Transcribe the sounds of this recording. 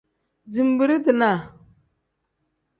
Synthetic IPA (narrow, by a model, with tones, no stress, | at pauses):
d͡zi˨m˨bi˨ɾi˦di˨na˨